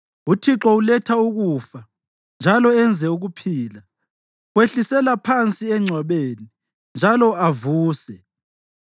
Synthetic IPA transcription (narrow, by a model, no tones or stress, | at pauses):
utʰiǁɔulɛtʰauɣufa | nd͡ʒʱalɔɛnd͡zʱɛuɣupʰiːla | weɬisɛlapʰant͡sʼiɛŋ͡ǀʱwaβeːni | nd͡ʒʱalɔavuːsɛ